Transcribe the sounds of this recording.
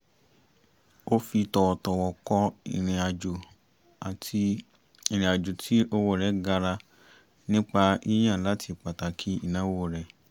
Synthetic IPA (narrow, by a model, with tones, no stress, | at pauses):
o˦fi˧tɔ˨tɔ˨wɔ˨kɔ˧i˧˨ɾĩ˨a˨d͡ʒu˨ | a˨ti˧ | i˧˨ɾ̃ĩ˨a˨d͡ʒu˨tʰi˨˦o˧wo˦˨ɾɛ˨˦ɡa˧ɾa˧ | nĩ˦k͡pa˧i˦j̃ã˦˨la˨˦tʰi˧˨k͡pa˨ta˨kʰi˦i˦˨nã˨˦wo˦˨ɾɛ˨